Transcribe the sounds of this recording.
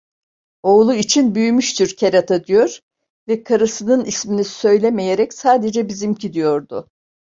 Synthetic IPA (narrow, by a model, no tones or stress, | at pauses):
o̞ːlˠuit͡ʃʰinbyjymyʃt̪iɾcʰeɾat̪ʰad̪ijoɾ̥ | vɛkʰaɾɯsɯnɯnisminisø̞jlʲeme̞jeɾɛcsaːd̪e̞d͡ʒɛbizimcid̪ijo̞ɾd̪ʊ